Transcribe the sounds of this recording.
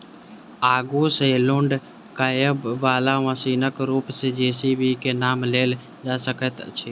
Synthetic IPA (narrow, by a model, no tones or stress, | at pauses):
aːɡuselʊɳɖ | kaːjəbʋaːlaʋəsiːnəkɾuːpsed͡ʒeːsibʱikenaːmleːl | d͡ʒaːsəkət̪t͡ʃʰeː